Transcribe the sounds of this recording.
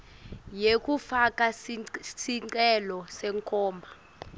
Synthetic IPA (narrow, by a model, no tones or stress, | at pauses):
jek̬ʼufakʼasiǀɛlɔsɛŋkʰɔːmbʱa